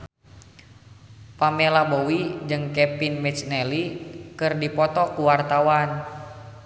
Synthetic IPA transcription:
pamɛlabowid͡ʒɨŋkɛpinmɛt͡ʃnɛlikɨrdipɔt̪ɔkuwart̪awan

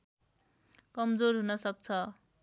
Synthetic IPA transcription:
kʌmd͡zorɦunʌsʌk̚t͡sʰʌ

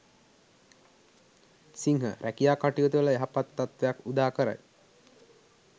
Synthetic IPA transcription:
siŋɦə̰ɾʔækijaːkaʈijot̪uʋələeɦapat̪ːat̪ʋejakud̪aːkəɾa̰j

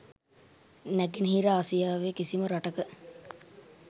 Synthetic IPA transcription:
næɡenɦiɾaːsijaːʋekisiməɾaʈəkə

